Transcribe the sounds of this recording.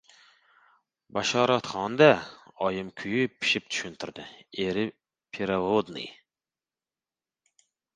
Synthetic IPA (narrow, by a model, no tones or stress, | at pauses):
bɑʃɑːɾɑt̪χɑnd̪ɛɑjɨmkʲʰyjypʰːi̥ʃip̚t̪ʰy̥ʃynt̪ʰyɾd̪ɪeɾɪ | pʰeɾɑvod̪nɨ̰